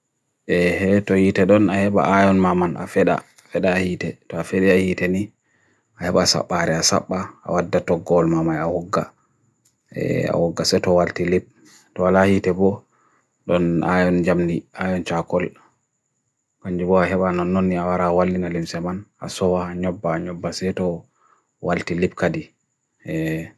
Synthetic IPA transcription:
ʔɛɛtɔhitɛɗɔnahɛɓa̰ʔajɔnmamana̰fɛɗa̰ | fɛɗaːhiːtɛtɔafeɗiahitɛni | ahɛɓasa̰ɓːaɾɛasa̰ɓːaa̰wadːatɔɡɔlmamajawɔɡːa̰ | ɛ̰a̰wɔɡːasɛtɔwaltilip̚ | tɔalahitɛbɔ | ɗɔna̰jɔnd͡ʒamniʔajɔnt͡ʃakɔl | kaɲd͡ʒibɔaɦɛɓanɔnːɔnːiawaɾawalːinalimsɛmanʔa̰sɔwaːɲɔbːaːɲɔbːasɛtɔ | waltilip̚kadi | ɛ

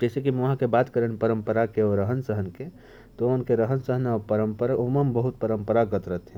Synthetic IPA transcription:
d͡ʒɛsekimɦãkebat̪kəɾənpəɾəmpəɾakeɔɾəɦənsəɦənke | t̪oomənkeɾəɦənsəɦənɔpəɾəmpəɾoməmbəɦut̪̚pəɾəmpəɾaɡət̪ɾət̪ʰɦɛ̃

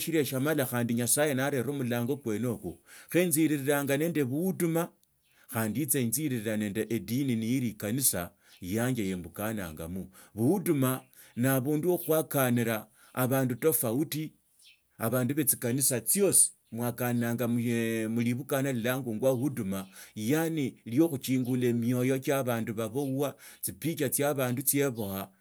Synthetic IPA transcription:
ʃiɾeʃamalaxaːndiɲasajenaɾe̞ɾo̞ːmulaːŋɡo̞kwe̞no̞ːkuxenziɾiɾiɾaːŋɡane̞ːnde̞βuwuduma | xaːndit͡seinziɾiɾiɾane̞ːndeʔedininijiɾikanisa̰ | jaːɲɡejembukana̰ːŋɡa̰muβuuduma | naβuːnduoxwakaniɾaː | βaːnduto̞fauti | aβaːnduβe̞t͡sikanisat͡sjo̞si̥ | mwakannaːŋɡamumuliβukanalilaŋɡuŋɡwaβuudumajaniljo̞xut͡ʃiːŋɡule̞mjo̞jot͡ʃaβaːnduβaβo̞wat͡sipit͡ʃat͡sjaβaːndut͡sje̞βo̞ha

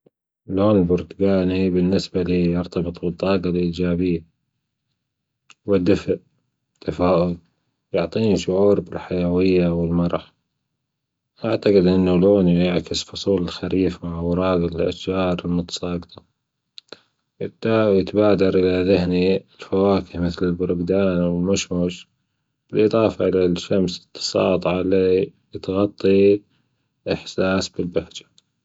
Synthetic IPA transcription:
loːnɪlbʊɾt̪ʊɡaːnibɪnːɪsbaliːjɑɾt̪ɑbɨt̪ˤbɨt̪ˤːɑːɡɑlʔiːd͡ʒaːbɪjːa | wɪd̪ːɪfʔ | t̪ʰːafaːʔʊl | jʊʕt̪ˤiːniʃʊʕuːɾbɪlħajawɪjːawɪlmɑɾˤɑħ | ʔaʕt̪aqɪd̪ʔɪnːuloːnjaʕkɪsfʊsˤuːlɪlxaɾiːfmaʕwɑɾˤɑːɡɪlʔa̰ʃd͡ʒɑːɾˤɪlmʊt̪ɑ̥sˤɑːɡt̪ˤɑ̥ | jwjɪt̪baːd̪ɑɾˤʔɪlaðɪhniɪlfawaːkɪhmɪθlɪlbʊɾʊɡd̪aːnwɪlmʊʃmʊʃ | b̥ɪlʔɨðˤɑːfaʔɪlaʃːamsɨ̥t̪ʰːɑ̥sˤɑ̰ːt̪ˤʕɑlijɪt̪ɣɑt̪ˤːi | ʔɪħsaːsbɪlbahd͡ʒḁ

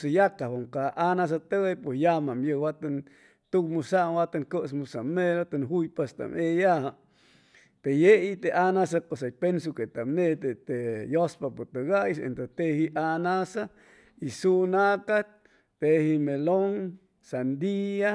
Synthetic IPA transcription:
sajakaoŋkaanas̬at̪eepwesjamamjəwat̪an | t̪ukmusamwat̪aŋkəsmusameɾot̪anɦujpest̪a̰mejaha | t̪ejeit̪eʔanasakosajpensuket̪amnet̪et̪ejospapot̪əɡajsḛnt̪ot̪ehiʔanasa | isunaka | t̪ehimeloŋ | sand̪ia

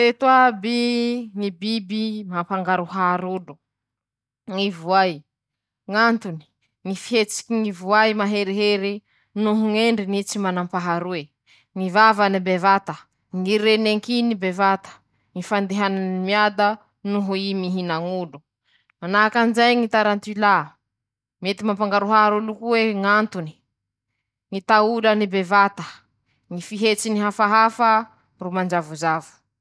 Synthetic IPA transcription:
et̪wabiŋibibimampaŋɡaɾuɦaɾulu | ŋivuaj | ŋant̪uni̥ | ŋifiɦet͡si̥kiŋivuajmaɦeɾiɦeɾi | nuɦuŋeɳɖ͡ʐinit͡simanampaɦaɾue | ŋivavanibevat̪ə | ŋiɾeneŋkinibevat̪ə̥ | ŋifand̪eɦananimiad̪a | nuɦuimiɦinaŋulu | manakanzajŋit̪aɾant̪ila | met̪imampaŋɡaɾuɦaaɾulukuweŋant̪uni̥ | ŋit̪aulənibevat̪ə̥ | ŋifiɦet͡siniɦafaɦafə | rumand͡ʒavuzavu̥

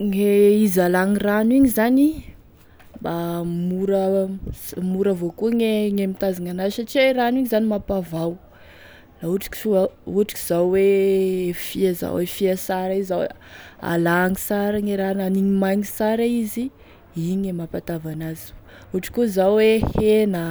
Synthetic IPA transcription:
ŋeizalaŋiraniɲizani | bamuɾə | muɾəvokuŋeŋemit̪azaŋanaʃaʈ͡ʂiaiɾaniɲizanimapavaw | lauʈ͡ʂi̥ki̥uʈ͡ʂi̥ki̥z̥awwe | fiaza̰wefiasaɾaiza̰ | a̰laŋisaɾaŋeɾananiɲimajŋisaɾaizi | iɲemapat̪avanaz̥i̥ | uʈ͡ʂi̥kʲuzawwehenə

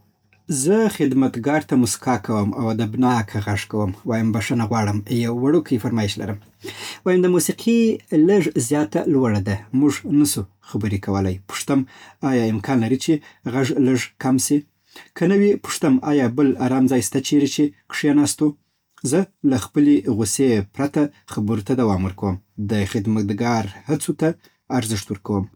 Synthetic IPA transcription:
zəxɪd̪mat̪ɡɑɾt̪amʊskɑkawəma̰wad̪abnɑkʰaɣaʐkawəmwɑjambaʂanaɣwɑɽəmjawːaɽokəjfaɾmɑɪʃla̰ɾəm | wɑjamd̪əmusiqʰiləʐzjɑt̪a̰lwaɽad̪amuʐnasu | xabəɾikʰawəlajpʊ̥ʂt̪əmɑjɑɪmkʰɑnlaɾit͡ʃeɣaʐləʐkamsi | kʰənawipʊ̥ʂt̪amɑjɑbəlaɾɑmzɑjst̪at͡ʃeɾit͡ʃeqʂjɑnɑst̪o | zəlaxpəleɣʊsepɾat̪axabəɾot̪ad̪awɑmwəɾkawəmd̪əxɪd̪mat̪ɡɑɾhat͡sot̪aː | ɾzɪʂt̪wəɾkawəm

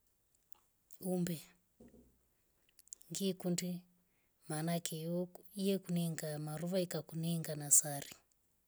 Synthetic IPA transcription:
umbɛ | ŋɡikundi | manakɛɔijɛkuniŋɡamaɾuβaikakuniŋɡanasari

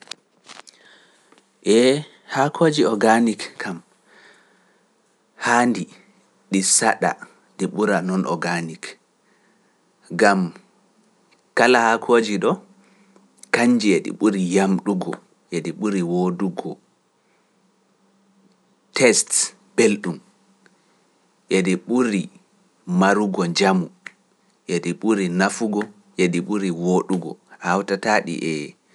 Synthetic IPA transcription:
ʔɛ | hakʰoːd͡ʒiɔɡanikkʰam | handi | ɗisa̰ɗa̰ | ɗiɓuɾanɔnʔɔ̰ɡanik | ɡam | kalahakʰoːd͡ʒiɗɔ | kaɲd͡ʒiɛɗḭɓuɾijamɗuɡɔ̰ | ʔediɓuɾiwoduɡɔ | tɛst | b̥elɗum | ʔediɓuɾi | maɾuɡɔɲd͡ʒamu | ʔediɓuɾinafuɡɔ | jeɗiɓuɾiwoɗuɡɔ̰hawtataɗḭʔɛ

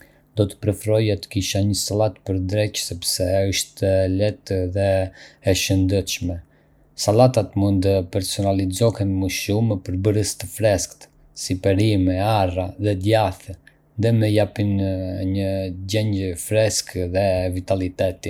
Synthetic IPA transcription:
d̪ɔt̪ə̥pɾɛfɾɔjat̪ə̥kiʃaɲəsalat̪pəɾd̪ɾɛcsɛpsɛəʃt̪ɛlɛt̪ðɛː | ʃənd̪ɛt̪ʃmɛ | salat̪at̪mund̪t̪əpɛɾsɔnalid͡zɔhɛnmuʃumɛpəɾbəɾəst̪əfɾɛskt̪ | sipɛɾimɛaraðɛd̪jaθɛ | nd̪ɛmɛjapinɲəɟɛɲɟəfɾɛskðɛvit̪alit̪ɛt̪i

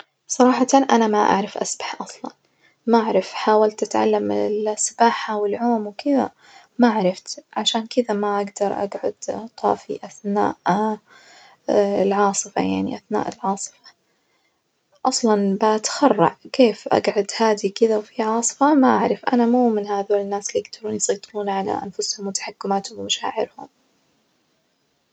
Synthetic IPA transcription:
sˤɑɾˤɑːħɑt̪anʔanamaʔa̰ʕɾˤɑfʔa̰sbḁħʔɑsˤlɑ̰n | maʔʕɾˤɑfħaːwalt̪ʔat̪ʕa̰lːamɪlsɪbaːħawɪlʕoːmwkɪða̰ | maʔʕɾˤɑft̪ʕaʃaːnkɪd̪amaʔaɡd̪ɑɾˤʔa̰ɡʕʊ̰d̪t̪ˤɑ̰ːfḭʔaθna̰ːʔ | ɪlʕɑːsˤɨfa̰jaʕnḭʔaθna̰ːʔɪlʕɑːsˤɨ̥fɑ̥ | ʔɑsˤlɑnbaʔat̪xɑrˤːɑ̰ʕkeːfʔa̰ɡʕʊd̪haːd̪ikɪðawfiʕɑːsˤɨ̥famaʔaʕɾˤɑfʔa̰namuːmɪnhaːðoːɪnːaːsljɪɡd̪ɑɾˤuːnjsˤijt̪ˤuːnʕala̰ʔa̰nfʊshʊmwɪt̪aħakːʊmaːt̪hʊmwmaʃa̰ːʕɪɾhʊ̰m

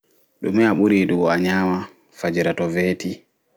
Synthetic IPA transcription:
ɗṵmɛaɓuɾiɗuɡɔaɲaːma | fad͡ʒiɾatɔveːti

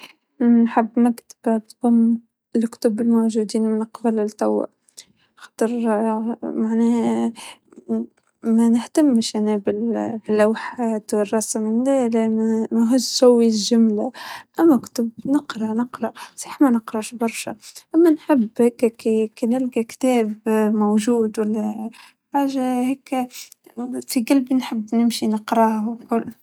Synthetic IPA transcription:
nħɪbːmakt̪ḁb̥t̪ˤhʊm | ɪlkʊ̥t̪ʊbɪlmowʒud̪iːnmɪnqbalɪlt̪ːɑwːa̰ | xɑ̥ːt̪ˤɨɾ | maʕnɛː | mænɪht̪amːʃanæbɪlbilːawħaːt̪wɪrˤːɑsmɪnd̪ælmæɦʊzsawːilʒʊmlaʔamːækt̪ʊbnəqɾˤɑnəqɾˤɑsˤiːħmænəqɾˤɑʔʃbɑɾˤʃa̰ʔamːænħɪbːheːkːkikinɪlɡakt̪ɛːbmowʒuːd̪walːæ | ħaːʒaheːk | fiɡalbnħɪbːnɪmʃinəqɾˤɑhkʊlː

